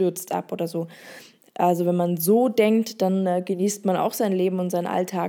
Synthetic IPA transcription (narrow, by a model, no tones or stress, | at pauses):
ʏɐt͡stʔa̰pʔo̰ːdɐzoː | ʔalzovɛnmanzoːdɛŋktd̥anːɡəniːstmana̰ʊxz̥aɪnleːbm̩ʊntz̥aɪnʔa̰ltʰaː